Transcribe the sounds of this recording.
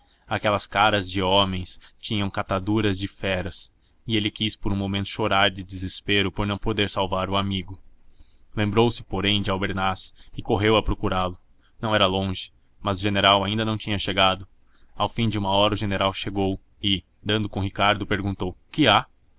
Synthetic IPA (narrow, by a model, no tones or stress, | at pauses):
akɛlɐskaɾɐzd͡ʒɪɔmẽj̃st͡ʃĩɲɐ̃w̃kat̪ad̪uɾɐzd͡ʒɪfɛɾɐs | ɪelɪkispoɾũmomẽnt̪ʊ̥ʃoɾaɾd͡ʒɪd̪ɪzɪspeɾʊpoɾnɐ̃w̃pod̪eɾsawvaɾʊamiɡʊ | lẽmbɾowsɪ̥poɾẽj̃d͡ʒɪawbeɾnasɪkoɦewɐpɾokuɾalʊ | nɐ̃w̃ɛɾɐlõʒɪ̥ | mɐzʊʒeneɾawaĩd̪ɐnɐ̃w̃t͡ʃĩɲɐʃeɡad̪ʊ | awfĩd͡ʒɪũmɐɔɾɐʊʒeneɾawʃeɡow | ɪ | d̪ɐ̃nd̪ʊkõɦikaɾd̪ʊpeɾɡũnt̪owkɪa